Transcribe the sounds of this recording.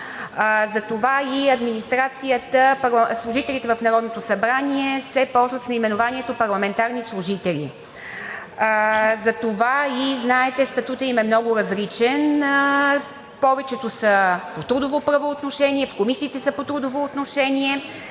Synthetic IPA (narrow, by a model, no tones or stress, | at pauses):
zɐt̪ovaiɐd̪minist̪ɾat̪sijət̪əplˠslˠuʒit̪ɛlʲit̪ɛvɐfnɐɾɔd̪not̪osɐbɾaniɛsɛpɔlˠzvət̪snɐimɛnovanʲiɛt̪opɐɾlˠɐmɛnt̪aɾnislˠuʒit̪ɛlʲḭ | zɐt̪ovaiznaɛt̪ɛst̪ɐt̪ut̪əimɛmnɔɡʊɾɐzlit͡ʃɛn | pɔvɛt͡ʃɛt̪osəpot̪ɾud̪ovopɾɐvoːt̪noʃɛniɛfkomisiːt̪ɛsəpot̪ɾud̪ovoːt̪noʃɛnʲiɛ